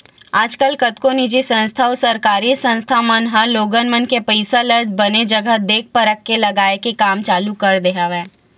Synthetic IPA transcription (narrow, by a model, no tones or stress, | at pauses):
aːd͡ʒkəlkət̪konid͡ʒisə̃nst̪ʰaosɐɾkaːɾisə̃nst̪ʰamənɦəloːɡənmənkepəɪsaləɾd͡ʒbɐned͡ʒəɡəɦd̪eːk̚ʰpəɾəkːelɐɡaːekekaːmt͡ʃaːlukɐɾd̪eɦaʋɛː